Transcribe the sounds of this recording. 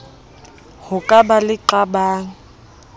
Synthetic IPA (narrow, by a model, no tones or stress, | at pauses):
hʊkʼabalɪǃabaːŋ̩